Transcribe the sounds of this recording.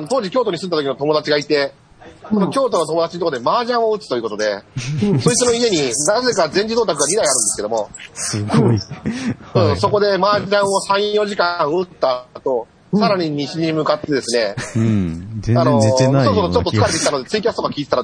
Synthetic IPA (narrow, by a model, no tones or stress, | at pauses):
ano̞t̪o̞ːʑikʲo̞ːt̪o̞ɲ̟isɨ̃nd̪at̪okʲinot̪o̞mo̞d̪at͡ɕiɡait̪e̞ | sonokʲo̞ːt̪o̞no̞t̪o̞moat͡ɕiɲit̪okːd̪emaːʑãɰ̃o̞ɯ̟t͡sɨ̥t̪o̞iɯ̟ko̞t̪o̞d̪e̞soit͡sɨno̞ie̞ɲ̟inaze̞kazẽ̞ɲd͡ʑid̪oːt̪akɯɡaɾʲid̪aiaɾɯ̟nd̪esɨkeo̞mo̞ɡ | ɯ̟̃ːso̞ko̞d̪e̞maːʑãɰ̃o̞sãɰ̃jo̞ʑikãɰ̃ɯt̪ːat̪o̞ | saɾaɲ̟iɲ̟iɕiɲ̟imɯ̟kat̪ːe̞d̪e̞sɨne̞ | anosoːs̬oːsot͡ɕo̞t̪ːoɨ̥kaɾet̪ekʲit̪ano̞d̪e̞t͡sɨikʲasɨ̥t̪okakʲiːt̪et̪aɾ